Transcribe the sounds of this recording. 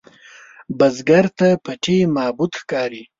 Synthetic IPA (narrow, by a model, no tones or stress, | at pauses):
bazɡaɾt̪apaʈʰemɑbud̪xkɑɾi